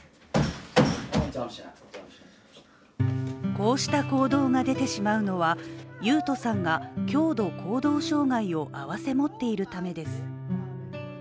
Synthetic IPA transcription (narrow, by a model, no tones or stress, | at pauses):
ko̞ːɕi̥t̪ako̞ːd̪o̞ːŋad̪e̞t̪e̞ɕimaɯ̟no̞βajɯ̟ːt̪o̞sãŋɡakʲo̞ːd̪o̞kʰo̞ːd̪o̞ːɕo̞ːŋaio̞ʔaβase̞mo̞t̪ːe̞iɾɯ̟t̪ame̞d̪e̞sɨ̥